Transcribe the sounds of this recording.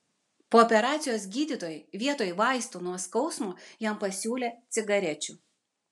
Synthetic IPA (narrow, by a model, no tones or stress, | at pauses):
poːɔpʲɛɾɑːt̪sʲɪjoːsɡʲiːd̪ʲiˑt̪oːjʋʲiɛt̪oːjʋɑˑɪst̪uːnuɔskɒʊsmuːjɛmpɐsʲuːlʲeːt̪sʲɪɡɐɾʲɛt͡ʃʲu